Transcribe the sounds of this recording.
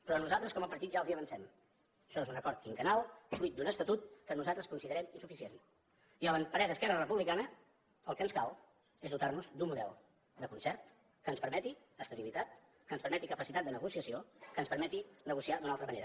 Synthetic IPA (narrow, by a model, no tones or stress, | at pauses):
pɾɔənuzalˠt̪ɾəskɔməpəɾt̪it̪ʒalˠziəβənsɛm | əʃɔezunəkɔɾt̪iŋkənalˠsuit̪̚d̪unəst̪ət̪ut̪̚kənuzalˠt̪ɾəskunsiðəɾɛminsufisien | iəənpəɾɛðəskɛrərəpuβlikanə | əlˠkənskalˠ | ezðut̪arnuzd̪umuðɛ̰lˠ | d̪əkunsɛɾt̪ | kənspəɾmɛt̪i | əst̪əβilit̪at̪ | kənspəɾmɛt̪ikəpəsit̪at̪̚d̪ənəɣusiəsiokənspəɾmɛt̪inəɣusiad̪unalˠt̪ɾəməneɾə